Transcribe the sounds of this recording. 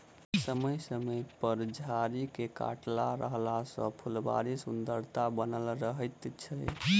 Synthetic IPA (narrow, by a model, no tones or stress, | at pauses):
səməjsəməjpəɾd͡ʒʱaɾikeka̰ʈlaɾəɦlasə̰̃pʰulba̰ɾisund̪əɾt̪abənəlɾəɦəjt̪t͡ʃʰə